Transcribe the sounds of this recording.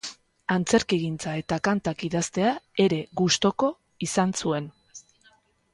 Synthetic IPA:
ant͡se̞ɾkiɣint͡sae̞t̪akant̪akiðast̪e̞ae̞ɾe̞ɣust̪o̞ko̞ | isansue̞n

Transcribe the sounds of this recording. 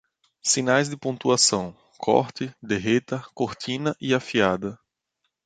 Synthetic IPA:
sĩnajzd̪ɪpõnt̪uasɐ̃w̃ | kʰɔ̰ɾt̪ɪd̪eɦet̪ɐkoɾt̪ĩnɐʔiafiad̪ɐ

